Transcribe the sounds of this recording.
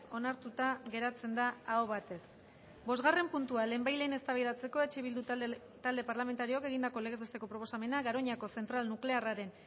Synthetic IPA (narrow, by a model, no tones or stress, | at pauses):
o̞naɾt̪ut̪aɣe̞ɾat͡se̞nd̪aːoβat̪e̞s | bo̞zɣare̞mpunt̪uale̞ːmbajlejne̞st̪aβajðat͡se̞ko̞e̞t͡ʃeβild̪u | t̪ald̪e̞paɾlame̞nt̪aɾioke̞ɣ̞ind̪ako̞leɣe̞zβest̪e̞ko̞pɾoposame̞naɡaɾo̞ɲako̞se̞nt̪ɾalnukle̞araɾe̞n